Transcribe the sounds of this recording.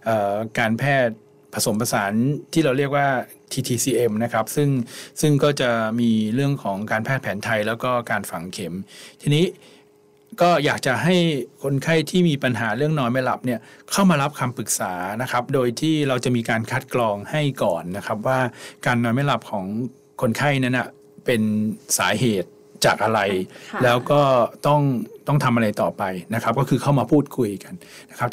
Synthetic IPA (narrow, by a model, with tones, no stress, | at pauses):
ʔɤː˨˩kaː˧npʰɛː˥˩t̪̚ | pʰa˧so˩˦mpʰa˧saː˩˦nt̪ʰiː˥˩ɾa˧wɾi˥˩ək̚waː˥˩ | t̪ʰiː˧t̪ʰiː˧siː˧ʔe˧mna˦˥kʰa˦˥p̚sɯ˥˩ŋsɯ˥˩ŋkɔː˥˩t͡ɕa˨˩miː˧ɾɯ˥˩əŋkʰɔː˩˦ŋkaː˧npʰɛː˥˩t̪̚pʰɛː˩˦nt̪ʰa˧jlɛː˦˥wkɔː˥˩kaː˧nfa˨˩ŋkʰe˩˦mt̪ʰiː˧niː˦˥ | kɔː˥˩jaː˨˩k̚t͡ɕa˨˩ʔɦa˥˩jkʰo˧nkʰa˥˩jt̪ʰiː˥˩miː˧pa˧nɦaː˩˦ɾɯ˥˩əŋnɔː˧jmɛ˥˩la̰˨˩p̚ni˥˩ɐkʰa˥˩wmaː˧ɾa˦˥p̚kʰaː˧mpɯ˨˩k̚saː˩˦na˦˥kʰa˦˥p̚doː˧jt̪ʰiː˥˩ɾa˧wt͡ɕa˨˩ʔmiː˧kaː˧nkʰa˦˥t̪̚klɔː˧ŋha˥˩jkɔː˨˩nːa˦˥kʰa˦˥p̚waː˥˩kaː˧nːɔː˧jma˦˥˩la˨˩p̚kʰɔː˩˦ŋ | kʰo˧nkʰa˥˩jna˦˥˦na˩ | pe˧nsaː˩˦ɦeː˨˩t̪̚ | t͡ɕaː˨˩k̚ʔa˧ɾa˧jlɛː˦˥wkɔː˥˩t̪ɔ˥˩ŋt̪ɔ˥˩ŋt̪ʰa˧mʔa˧ɾa˧jt̪ɔː˨˩pa˧jna˦˥kʰa˦˥p̚kɔː˥˩kʰɯː˧kʰa˥˩wmaː˧pʰuː˥˩t̪̚kʰu˧jka˧n | na˦˥kʰa˦˥p̚